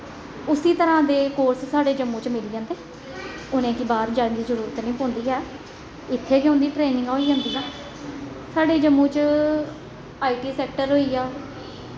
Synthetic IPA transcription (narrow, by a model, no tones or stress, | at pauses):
ʊsiːt̪əɾãːd̪eːkoːɾssaːɖeːd͡ʒəmːũːt͡ʃmɪliːd͡ʒãːnd̪eː | ʊnẽːkɪbaːɾd͡ʒaɽnd͡ʒizəɾuːɾt̪nĩːpõːnd̪iːɦɛː | ɪt̪ʰːeːkõːnd̪iːʈɾeːnɪ̃ŋɡaːiːd͡ʒãːnd̪iːaː | saːɖeːd͡ʒəmːũːt͡ʃ | aːiːʈiːsɛːk̚ʈəɾɦoːiːaː